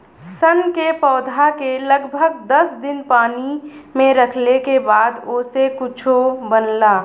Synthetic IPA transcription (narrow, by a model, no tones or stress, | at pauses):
sənkepɔːd̪ʱakeləɡbʱəɡd̪əsd̪ɪnpaːnimẽɾəkʰlekebaːd̪oːsekʊt͡ʃʰobənlaː